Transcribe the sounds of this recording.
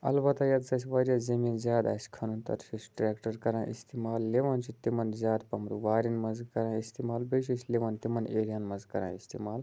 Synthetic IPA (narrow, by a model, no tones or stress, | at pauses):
ɐ̰lbɐt̪ɐjɐt̪zɐs̬ʲʋaɾjazɐmiːnzʲjaːd̪a̰ːsʲkʰɐnunt̪ɐ̰ɾʃisʈɾeːkʈɐɾkɐɾãːʔḭst̪imaːlːeʋɐnt͡ʃit̪imɐnzʲaːd̪pɐmɾṵʋaːɾinmɐzkɐɾãːist̪imaːlbɐʃ̬isleʋɐnt̪imɐneːɾijanmɐzkɐɾã̰ːist̪ḭmaːl